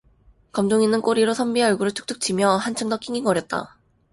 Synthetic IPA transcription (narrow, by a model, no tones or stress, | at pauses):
kʌmdoŋinɯnk͈oɾiɾosʰʌmbieʌɭɡuɾɯɭtʰu̥k̚t͈ʰɯk̚t͡ɕ͈imjʌɦant͡ɕʰɯŋdʌk͈ʰiŋiŋɡʌɾjʌt̚t͈a̰